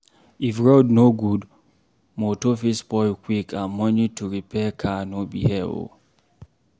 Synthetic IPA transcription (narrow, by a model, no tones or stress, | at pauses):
ifɹodnoɡud | motofisbɔɪkʰwikʰãnmɔnituɹipʰɛkʰanobḭhɛo̰